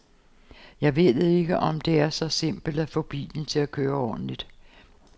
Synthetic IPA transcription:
jɑ̈ɪʋe̝̰ð̩ˠe̝ɡ̥əʔɒ̽md̥e̝æɐsɒ̽se̝m̰b̥l̩d̥æfɒ̽b̥ḭːln̩t͡sʰe̝lækʰøːɐɒ̰ːd̥n̩lid̥

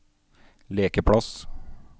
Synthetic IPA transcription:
leːkəpʰɽɑs

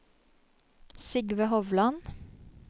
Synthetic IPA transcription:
sɪɡʋəhɔʋlɑn

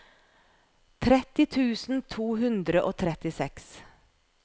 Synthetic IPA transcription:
t̪ʰɾɛt̪ɪt̪ʰʉːsn̩t̪ʰuːɦʉnd̪ɾəʔoːt̪ʰɾɛt̪ɪsɛks

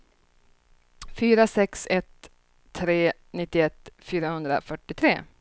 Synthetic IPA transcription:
fyːɾasɛksɛt̪ʰː | ɾeː | nɪt̪ːɪɛt̪ːfyːɾahɵnd̪ɾa̰fœʈːɪt̪ʰɾḛː

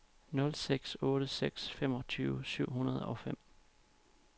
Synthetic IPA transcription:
nɔ̽lseɡ̥sɔ̽ːɾəseɡ̥sfem̰ɒ̽t͡sʰyːʊəsyʊ̰hunɐð̞ˠɒ̽fem̰

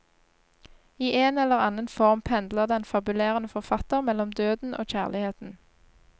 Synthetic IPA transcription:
iːʔeːnɛləʁɑnənfɔʁmpʰɛnd̪ləʁd̪ɛnfɑbʉleːʁənəfɔʁfɑt̪əʁmɛlɔmd̪øːd̪n̩ʔo̰ːc͡çæːʁlɪheːt̪n̩

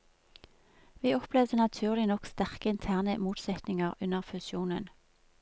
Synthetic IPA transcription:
ʋiːɔpleːʋdənɑt̪ʰʉːʁlɪnɔkst̪æʁkəɪnt̪ʰæːʁnəmuːt̪sɛt̪nɪŋəʁʉnəʁfʉsjuːnə̰n

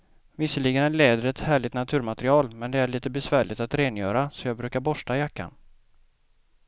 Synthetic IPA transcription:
vɪsːəlɪɡənæɭɛːd̪əɾɛt̪hæːɭɪt̪nat̪ʰʉ̟ːɾmat̪ɾɪɑːlmɛnd̪ɛæɭiːt̪əbɛsvæːɭɪt̪at̪ɾeːnjœ̰ːɾasɔjɑːɡbɾʉ̟ːkaɾbɔʂʈajakːa̰n

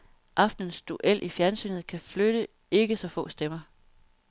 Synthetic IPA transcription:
ʔɑ̈fd̥ən̩sd̥uʔel̰ʔifjæɐnsy̰ːnð̩ˠkʰæfløɾ̥ə | e̝ɡ̥əsɒ̽fɔ̰̽ːsd̥emɐ

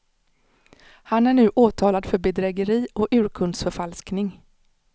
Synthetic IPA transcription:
hanæɳʉ̟ːʔoːt̪ʰɑːlad̪fœɾbɛd̪ɾɛɡəɾiːɔʉ̟ːɾkʰɵnd̪sfœɾfalsknɪŋ

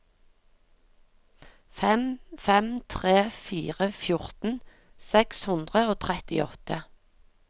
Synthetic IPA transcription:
fɛmfɛmt̪ʰʁeːfiːʁəfjʊʁt̪n̩ | sɛkshʉnd̪ʁəoːt̪ʰʁɛt̪ɪ̰ɔt̪ə

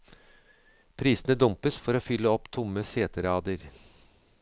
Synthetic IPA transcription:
pʰɾiːsənəd̪ʊmpəsfɔɾoːfʏlːəɔpːt̪ʰʊmːəseːt̪əɾɑːd̪əɾ

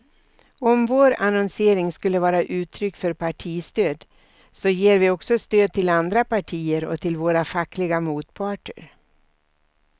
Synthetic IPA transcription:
ɔmvoːɾa̰nɔnseːɾɪŋskɵlːəvɑːɾaʔʉ̟ːt̪ʰɾʏkːfœɾpʰaʈʰiːst̪øːd̪ | sɔjeːɾvɪɔksɔst̪øːd̪̚t̪ʰɪland̪ɾapaʈʰiːəɾɔ̰t̪ʰɪlvoːɾafakːlɪɡamuːt̪pʰɑːʈə̰ɾ

